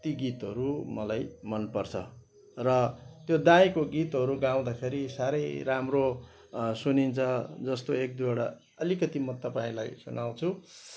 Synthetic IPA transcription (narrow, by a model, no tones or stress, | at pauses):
t̪iɡit̪ɦʌɾumʌlajmʌnpʌrt͡sʰʌ̰ | rʌt̪jod̪ãjkoɡit̪ɦʌɾuɡaw̃d̪apʰeɾisaɾʌjramro | sunint͡sʰʌd͡zʌst̪oek̚d̪uaɽa̰ | ʌlikʌt̪imʌt̪ʌpaĩla̰jsunaw̃t͡sʰu